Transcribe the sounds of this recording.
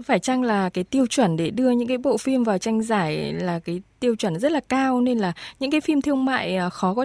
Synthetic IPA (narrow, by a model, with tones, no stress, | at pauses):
faː˧˩jt͡ɕa˧ŋlaː˨˩kaː˨˦jt̪i˧əwt͡ɕwə˧˩nɗe˧˩ɗɨ˧əɲɨ̰˧˥ŋkaː˨˦jɓo̰˧˨fi˧mvaː˨˩wt͡ɕa˧jŋ̟zaː˧˩jlaː˨˩kaː˨˦jt̪i˧əwt͡ɕwə˧˩nzə˦˥laː˨˩kaː˧wne˧nlaː˨˩ɲɨ̰˧˥ŋk̬aː˨˦jfi˧mt̪ʰɨ˧əŋma̰ː˧˨jʔxɔ˨˦kɔ˨˦